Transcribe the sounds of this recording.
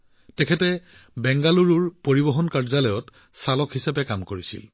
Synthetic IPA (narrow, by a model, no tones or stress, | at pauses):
tɛkʰɛtɛ | bɛŋɡaluɹuɹpoɹibɔɦɔnkaɹzalɔjɔt | salɔkhisabɛkamkoɹisḭl